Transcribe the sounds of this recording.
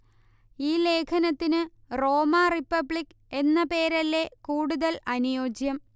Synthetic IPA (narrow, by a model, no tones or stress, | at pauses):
iːle̞ːkʰɐnɐt̪ːinɨ | ro̞ːmaripːɐbɭik | e̞nːɐpe̞ːɾɐlːe̞kuːɽuðɐlɐnujo̞ːd͡ʑjɐm